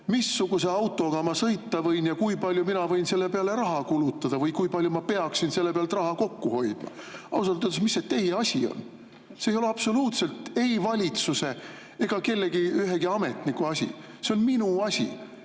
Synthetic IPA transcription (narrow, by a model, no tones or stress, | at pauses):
misːuɡ̥use̞ɑwt̪ːˑo̞ɡ̥ɑmɑsɤjt̪ːɑvɤjnjɑkujpɑlʲjuminɑvɤ̞jnse̞lːe̞peɑle̞ɾɑɦɑkulut̪ːˑɑd̪̥ɑvɤjkujpɑlʲjumɑpe̞ɑksinse̞lːe̞peɑlt̪rɑhɑko̞kːuho̞jd̪̥mɑ̰ɑ̰us̬ɑlt̪ønt̪esmisːet̪ːe̞jeɑsʲio̰n | sejo̞le̞ɑpso̞luːt̪se̞lt̪e̞jvɑlʲit̪suse̞ | e̞ɡ̥ɑke̞lːe̞ɡiyɦe̞ɡiɑme̞t̪ˑnikːuɑsʲḭ | seo̞nminuɑsʲḭ